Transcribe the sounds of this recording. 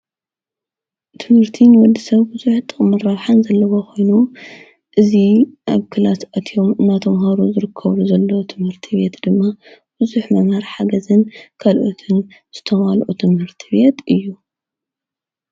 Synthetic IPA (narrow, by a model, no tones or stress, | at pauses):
t̪ʰɨmhɨɾt̪ʰinwɔd̪isɐβbɨzuħt̪ʼɨχʼmɐrawħanzɐlːɐβokʰo̞jnu | ʔɨziʔaβkʰɨlasat̪ʰijo̞mɨnːat̪ʰɐmɦaɾuzɨɾɨkʰːɐβluzɐlːɐwot̪ʰɨmhɨɾt̪ʰiβe̞t̪d̪ɨmːa | b̥ɨzuħmɐmhɐɾħaɡɐzɨnkʰalʔot̪ʰɨn | z̥ɨt̪ʰɐmalʔut̪ʰɨmhɨɾt̪ʰi̥be̞t̪ʰʔɨjːu